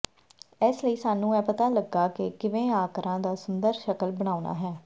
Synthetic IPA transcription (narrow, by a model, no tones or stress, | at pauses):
ɪsləiːsaːnũːɛːpət̪aːləɡːaːkɪkɪʋẽːaːkɾãːd̪aːsʊnd̪əɾʃəkəlbəɽ̃aːuna̰ːɦɛː